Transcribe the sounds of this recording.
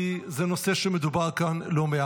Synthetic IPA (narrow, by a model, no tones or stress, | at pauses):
izeno̞se̞ʃemed̪ubaʁkanlo̞mea